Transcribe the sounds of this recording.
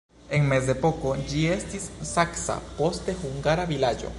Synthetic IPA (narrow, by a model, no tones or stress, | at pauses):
eŋmezd̪epokod͡ʒiest̪isːaksa̰post̪exuŋɡaɾaβilaʝo̰